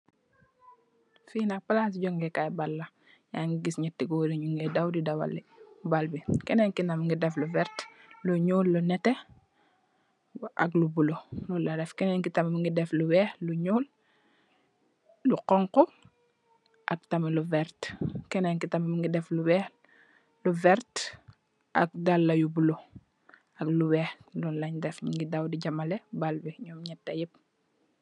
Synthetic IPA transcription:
fiːnak̚palas̬ɟɔŋɡekajbalːa | jaŋɡiɡisɲɛtːiɡoːdiɲuŋɡedawdidawa̰lːibalbikɛnɛŋkinamŋɡidɛfluvɛɾt | luɲuːlːunɛtɛ | ʔa̰klubulolulaɾɛfkɛnɛŋkitammiŋɡidɛflubɛːhluɲuːl | luqɔŋkɔ | ʔa̰k̚tɐmiluvɛɾtkɛnɛŋkitamimiŋɡidɛfluwɛːh | luvɛɾt | ʔa̰k̚dalːajubulo | akluwɛːxlɔnlaɲdɛfŋɡidawdiɟɐmalebalbiɲɔːmɲɛtːajip̚

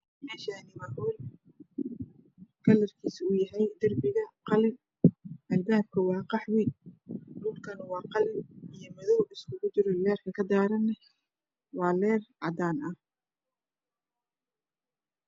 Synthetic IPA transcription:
mɛːʃaːnɪwɐħɔːl | kʰɐlɐrkʰiːsʊjɐɦɛjd̪ɐrbɪɣɐqɑlɪ | ʔɐlbaːb̚kʰɐwɑːqɑħwinluːlkʰɐnɐwɑːqɑlɪijɔmɐðɔwɪskʰʊɣʊt͡ʃɪɾɔlɛːrkʰɐkʰɐd̪aːɾɐnɛ | wɑːlɛːrʕɑ̰d̪aːnʔɐh

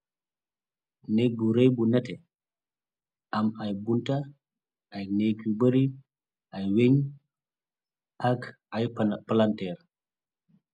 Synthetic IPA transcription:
neɡuɾejbunɛtɛ | ʔamajbunta | ʔajneɡubəɾi | ʔajweɲ | ʔak | ajpalantɛɾ

